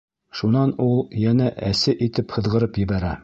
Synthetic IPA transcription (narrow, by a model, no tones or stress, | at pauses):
ʃunɑnulˠjænæʔæsɘʔit̪ɘphɤ̆ðʁɤ̆ɾɤpjɘ̆bæɾæ